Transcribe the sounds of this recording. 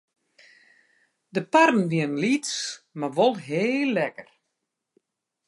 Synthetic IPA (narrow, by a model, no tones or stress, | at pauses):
dəparn̩ʋiənlitsmaʋolˠɦeːlˠːɛkər